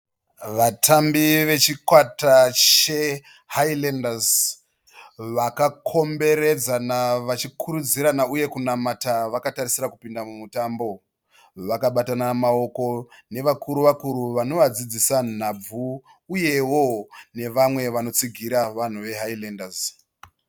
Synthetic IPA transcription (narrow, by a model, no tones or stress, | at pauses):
ʋatʰambiʋe̞t͡ʃikwatat͡ʃe̞ | hailendaz | ʋakakʰo̞mbe̞ɾe̞d͡zanaʋat͡ʃikʰuɾud͡ziɾanauje̞kunamataʋakatarisiɾakupindamumutambo̞ | ʋakaɓatanamao̞ko̞ne̞ʋakuɾuʋakuɾuʋano̞ʋad͡zid͡zisan̤ab͡vuː | je̞wo̞ne̞ʋamwe̞ʋano̞t͡siɡʱiɾaʋan̤uʋe̞ɦailendaz